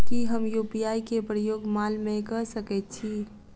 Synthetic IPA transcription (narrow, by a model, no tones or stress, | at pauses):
kiɦəmjuːpijaːikepɾəjoːɡmaːlmẽkɐɾsəket͡ʃʰiː